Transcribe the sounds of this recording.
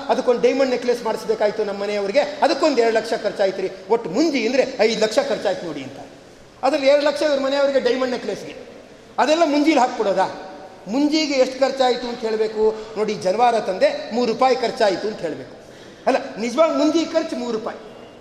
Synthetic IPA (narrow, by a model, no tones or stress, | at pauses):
ɐd̪ɐkːod̪ɖɐjmɐɳɖnekleːsmaːɽisbeːkaːjit̪unɐmːɐnejɐʋɐɾiɡe̞ɐd̪ɐkːond̪ɛɾɐɽlɐkʂɐkɐɾt͡ʃaːjit̪iɾioʈːmuɲd͡ʒiɐnd̪ɐɾe̞ɐjd̪lɐkʂɐkɐɾt͡ʃaːjit̪unoːɽiɐnt̪ɐ | ɐd̪ɾɐɛɾɐɽɐlɐkʂɐid̪ɐɾɐmɐnejɐʋɐɾiɡe̞ɖɐjmɐɳɖnekleːsɡe | ɐd̪ɛlːɐmuɲd͡ʒiːlɦaːk̚kɔɽoːd̪aːmuɲd͡ʒiːɡeeʂʈkɐɾt͡ʃaːjit̪uɐnt̪ɦeːɭbeːkuno̞ːɽid͡ʒɐnɐʋaːɾɐt̪ɐnd̪e̞muːɾːuːpaːjikɐɾt͡ʃaːjit̪uɐnt̪ɦe̞ːɭbeːku̥ | ɐlːɐnid͡ʒɐʋaːɡimuɲd͡ʒikɐɾt͡ʃmuːɾːuːpaːji